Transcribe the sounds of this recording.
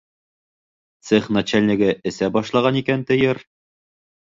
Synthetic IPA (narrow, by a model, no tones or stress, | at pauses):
t̪sɘχnat͡ɕælʲnʲɘ̆ɡɘʔɘ̆sæbɒʃlˠɑʁɑnikænt̪ɘ̆jɘɾ